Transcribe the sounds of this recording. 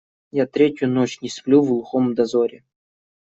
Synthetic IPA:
jat̪ɾʲetʲjʊnot͡ɕnʲɪsplʲuvlˠxomd̪ɐzoɾʲɪ

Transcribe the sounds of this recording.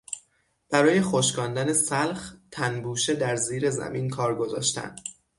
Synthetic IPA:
b̥æɾɒːje̞xoʃkɒːnd̪ænesælxt̪ʰænbuːʃe̞d̪æɾziːɾe̞zæ̰minkʰɒːɾɡo̞zɒ̰ːʃt̪æ̰nd̪̥

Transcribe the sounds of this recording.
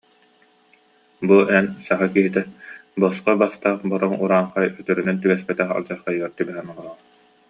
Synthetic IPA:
buɛnsaʁɯkiɦit̪ɛbɔsqabast̪aːχbɔɾɔŋuɾaːɴχajœt̪œɾynɛnt̪ybɛspɛt̪ɛχa̰ld͡ʑaɾχajyɡɛɾt̪ibɛɦɛnɔʁɔlˠɔʁ

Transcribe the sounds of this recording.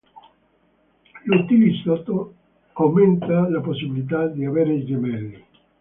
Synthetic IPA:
lut̪ːilisat̪o | awment̪alaposːibilit̪̬ad̪iaveːɾeid͡ʒemɛlːi

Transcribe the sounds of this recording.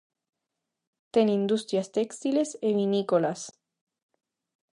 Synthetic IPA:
t̪enĩnd̪ust̪ɾjast̪ekst̪ileseβinikolas

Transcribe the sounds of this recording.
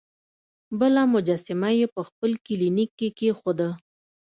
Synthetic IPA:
bəlamʊd͡ʒasɪmajepəxpəlkɪlinikːekexod̪ə

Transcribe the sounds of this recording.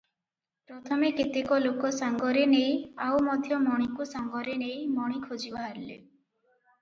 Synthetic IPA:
pɾɔt̪ʰɔmekit̪ikɔlokɔsaŋɡɔɾenej̃awmɔd̪ʱjɔmɔɽ̃ikusaŋɡɔɾenej̃mɔɽ̃ikʰod͡ʒibaɦaɾlḛ

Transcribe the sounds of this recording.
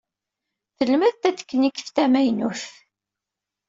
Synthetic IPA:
θəlmæθt̪æt͡sːə̥kːənikːə̥θt̪æmæjnuθ

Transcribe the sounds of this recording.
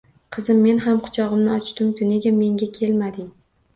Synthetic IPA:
qʰɨzɪmːe̞nɦamqʰʊ̥t͡ʃʰɒʁɨmnɪɒt͡ʃt̪ʊmkʰʲʊneɡʲame̞ŋɡʲakʲʰe̞lmad̪ɪ

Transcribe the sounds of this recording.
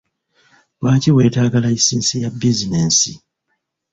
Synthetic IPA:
waːciwe̞ːtaːɡalaisiːnsijabizineːnsi

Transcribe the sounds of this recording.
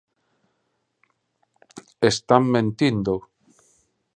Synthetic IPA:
est̪ammẽnt̪ind̪o

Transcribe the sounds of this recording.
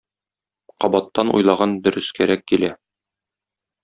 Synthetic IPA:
qɒbɑt̪ːɑnṵjlˠɑʁɑnd̪ɵ̆ɾɵ̆skæɾækːilæ

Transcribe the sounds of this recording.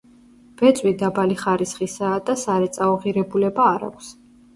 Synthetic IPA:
v̥ɛt̪sʼwid̪abaliχaɾisχisaːd̪asaɾɛt̪sʼauʁiɾɛbulɛbaːɾa̰kʷʰs

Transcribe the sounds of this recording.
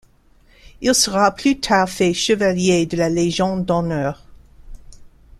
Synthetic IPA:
ilsəʁapʰlyt̪ʰaːʁfɛʃəvaljed̪əlaleʒɑ̃d̪ɔnœːʁ

